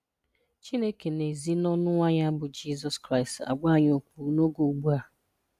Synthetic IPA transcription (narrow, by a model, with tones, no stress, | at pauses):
t͡ʃi˦ne˦ke˨ne˨zi˦nɔ˦nʊ˦ŋʷa˦ɲa˦bʊ˨d͡ʒi˦zɔ˨skɾa˦ɪ˨sta̰˨ɡ͡ba˦˨ɲo˨k͡pu˨˦no˦ɡo˨ɡ͡bu˦a˨